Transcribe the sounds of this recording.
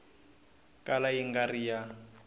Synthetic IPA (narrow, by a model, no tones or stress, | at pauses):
kʼalajiŋɡarija